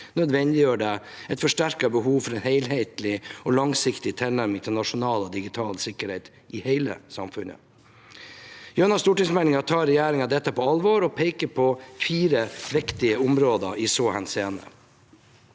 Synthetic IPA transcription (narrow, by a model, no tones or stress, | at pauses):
nœd̪ʋɛnd̪ɪjøːɖɛ | ɛɪt̪fɔʂʈæɾkɑbəhuːʋfɔɾɛnheɪlɦeɪt̪lɪɔːlɑŋsɪkt̪ɪt̪ʰɛlnæɾmɪŋt̪ʰɪlnɑʂʊnɑːlɑd̪ɪɡɪt̪ʰɑːlsɪkəɾheɪt̪ | ʔɪheɪlə̰sɑ̰mfʉnə̰ | jøːnɑst̪uːʈɪŋsmɛɪnɪŋɑt̪ʰɑːɾɛjæːɾɪŋɑd̪ɛt̪ːəpɔɑlʋɔɾɔpʰeɪkəpʰɔfiːɾəʋɛkt̪ɪəʊmɾoːd̪ə̰ʔɪsoːhɛnseːnə̰